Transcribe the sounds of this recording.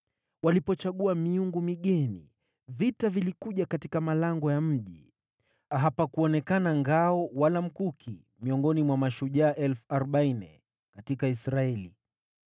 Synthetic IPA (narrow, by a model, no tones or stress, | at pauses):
walipɔt͡ʃaɠuamiuŋɡumiɠɛnḭ | vitavilikuʄakatikamalaŋɡɔjam̩ʄi | aɦapakuɔnɛkanaŋɡaɔwalam̩kukʰḭ | miɔŋɡɔnimwamaʃuʄaːʔɛlfuaɾɔɓainɛ | katikaisɾaɛlḭ